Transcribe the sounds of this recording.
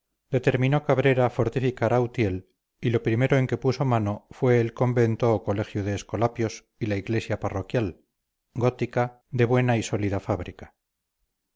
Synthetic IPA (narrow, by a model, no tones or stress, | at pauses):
d̪e̞t̪e̞ɾmĩno̞kaβ̞ɾe̞ɾafo̞ɾt̪ifikaɾawt̪je̞l | ilo̞pɾime̞ɾo̞e̞ŋke̞puso̞mano̞fwe̞ːlko̞mbe̞nt̪oːko̞le̞xjoð̞eːsko̞lapjo̞s | ilaiɣle̞sjaparo̞kjal | ɡo̞t̪ika | d̪e̞βwe̞naiso̞liðafaβ̞ɾikḁ